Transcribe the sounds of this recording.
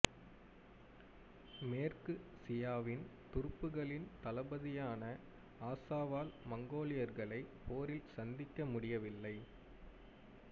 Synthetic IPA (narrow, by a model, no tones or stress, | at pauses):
meːrkɯsɪjaːʋɪnt̪ʊɾɯpːɯɣɐɭɪnt̪ɐlɐbɐðɪjaːnɐ | aːsaːʋaːlmɐŋɡoːlɪjɐɾɣɐɭɐɪpoːɾɪlsɐnd̪ɪkːɐmʊɽɪjɐʋɪlːɐɪ